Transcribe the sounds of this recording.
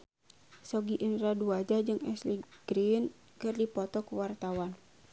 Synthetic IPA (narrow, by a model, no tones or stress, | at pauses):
sɔɡiʔinɾaduad͡ʒad͡ʒɨŋɛsliɡ̥ɾin | kɨrdipɔt̪ɔkuwart̪awan